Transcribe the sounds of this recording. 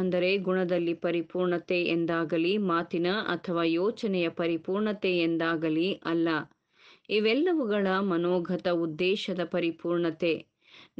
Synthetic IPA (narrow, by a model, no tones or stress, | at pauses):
ɐnd̪ɐɾe̞ɡuɳɐd̪ɐlːipɐɾipuːɾɳɐt̪eʔend̪aːɡɐlimaːt̪inɐɐ̰t̪ʰɐʋaːjoːt͡ʃɐnɛjɐpɐɾipuːɾɳɐt̪eend̪aːɡɐliʔɐlːɐ | iʋɛlːɐʋuɡɐɭɐmɐnoːɡʱɐt̪ɐud̪ːɛːʃɐd̪ɐpɐɾipuːɾɳɐt̪e̞ | n